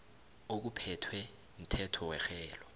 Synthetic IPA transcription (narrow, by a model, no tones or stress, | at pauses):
ok̬upʰɛtʰwɛ | m̩tʰɛtʰɔwɛxɛːlɔ